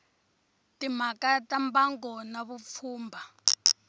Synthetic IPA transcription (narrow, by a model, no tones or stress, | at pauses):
tʼimakatʼambaŋɡɔnaβup̪fʰuːmbʱa